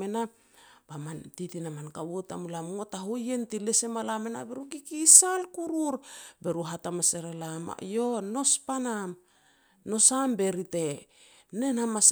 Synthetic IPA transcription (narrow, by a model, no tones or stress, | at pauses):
ena | b̥amantitinamankawota̰mulamotaɦoje̞ntilese̞malamena̰beɾuɡikisalkuɾuɾbe̞ɾuɦatamaseɾelama̰jono̞spanam | no̞sambe̞ɾite̞ | ne̞nhamas